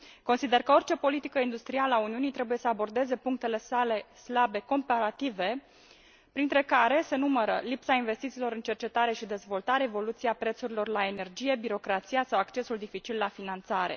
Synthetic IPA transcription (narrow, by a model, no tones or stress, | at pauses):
konsid̪e̞rkəo̞rt͡ʃe̞po̞lit̪ikəind̪ust̪ɾialəauniunit̪ɾe̞buje̞səabo̞rd̪e̞ze̞puŋk̚t̪e̞le̞sale̞slabe̞ko̞mpaɾat̪ive̞ | pɾint̪ɾe̞kaɾe̞se̞numəɾəlipsainve̞st̪it̪silo̞ɾɨnt͡ʃe̞rt͡ʃe̞t̪aɾe̞ʃid̪e̞zvo̞lt̪aɾeevo̞lut̪siapɾe̞t̪suɾilo̞rlae̞ne̞rd͡ʒije̞biɾo̞kɾat̪sijasawakt͡ʃe̞suld̪ifit͡ʃilːafinant̪saɾe̞̰